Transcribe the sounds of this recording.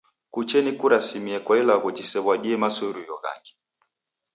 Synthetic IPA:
kut͡ʃɛnikuɾasimiɛkwailaɣud͡ʒisɛβwaɗiɛmasɔɾujɔɣa̰ŋɡi̥

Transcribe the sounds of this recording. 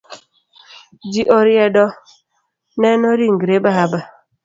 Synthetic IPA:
d͡ʒiʔɔɾjɛdɔ | nɛnɔɾiŋ̩ɡɾebaaba

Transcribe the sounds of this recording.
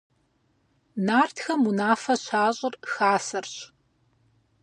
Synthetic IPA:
naːrtʰxɐmunaːfɐɕaːɕʼʊrxaːsɐrɕ

